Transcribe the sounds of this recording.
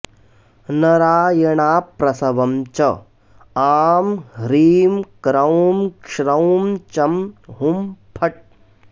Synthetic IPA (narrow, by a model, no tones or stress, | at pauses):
nɐɾaːjɐɳaːpɾɐsɐʋɐmt͡ʃɐ | aːmɾiːmkɾɐwmkʂɾɐwmt͡ʃɐmɦumpʰɐʈ̚